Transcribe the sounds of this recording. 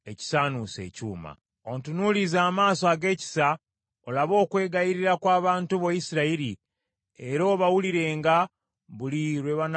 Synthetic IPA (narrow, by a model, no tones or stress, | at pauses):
e̞ci̥saːnuse̞̰ːcṵːma̰ | ontunulizaːmaːsoaːɡe̞ːci̥sa | olaβo̞ːkwe̞ːɡajiɾiɾakwaːβaːntuβojisiɾaiɾi | eɾo̞ːβawuliɾe̞ːŋɡa | βuliɾweβan